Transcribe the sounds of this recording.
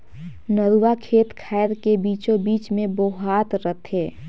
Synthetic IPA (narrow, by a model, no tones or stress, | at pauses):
nəɾuʋakʰeːt̪kʰaːjɾkebiːt͡ʃõbiːt͡ʃmẽboːɦaːt̪ɾət̪ʰeː